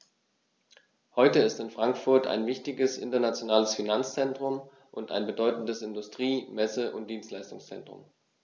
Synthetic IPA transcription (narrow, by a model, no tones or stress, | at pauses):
hɔʏtəɪstɪnfʁ̥aŋkfʊɐta̰ɪnvɪçtɪɡəsʔɪ̰ntɐnat͡sjonaːləsfinant͡st͡sɛntʁ̥ʊm | ʔʊnta̰ɪnbədɔʏtn̩dəsɪndʊstʁ̥iːmɛsəʔʊ̰nt̚d̥iːnstlaɪstʊŋst͡sɛ̰ntʁ̥ʊ̰m